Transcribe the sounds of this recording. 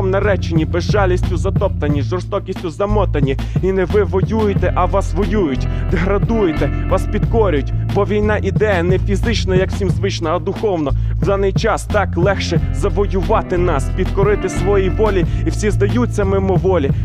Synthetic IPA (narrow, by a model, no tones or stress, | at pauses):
ɔmnɐɾɛt͡ʃenʲibɛzʒɑlʲisʲtʲʊzɐt̪ɔp̚t̪ɐnʲiʒɔrst̪ɔkʲisʲtʲʊzɐmɔt̪ɐnʲi | inɛʋɪʋɔjujet̪ɛʔɐʋɑsʋɔjujʊtʲd̪eɦɾɐd̪ujet̪ɛʋɑspʲid̪kɔɾʲʊtʲbɔʋʲijnɑʔid̪ɛjɐnɛfʲizɪt͡ʃnɐjɐkw̥sʲimzʋɪt͡ʃnɐɐd̪ʊxɔwnɔwd̪ɑnɪjt͡ʃɑst̪ɑklˠɛxʃɛzɐʋɔjʊʋɑt̪ɪnɑspʲid̪kɔɾɪt̪ɪsʋɔjiʋɔlʲiiwsʲizd̪ɐjut͡sʲːɐmɪmɔʋɔlʲi